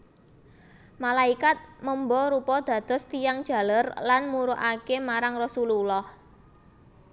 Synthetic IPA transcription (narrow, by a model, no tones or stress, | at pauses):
malaikat̪̚məmbɔɾupɔd̪̥ä̤d̪̥ɔ̤st̪ijaŋd̥ʒ̥ä̤lərlanmuɾoʔakemaɾaŋrɔsululɔh